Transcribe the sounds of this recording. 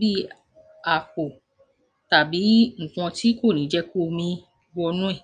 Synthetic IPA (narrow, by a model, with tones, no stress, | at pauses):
bi˦ | a˨fo˨ | ta˨bi˨˦ŋ̩̃˨kɔ̃˧ti˦ko˦˨nĩ˨˦d͡ʒɛ˧˦ko˦˨mĩ˧ | ɡ͡bɔ˧nũ˦ɛ˦˨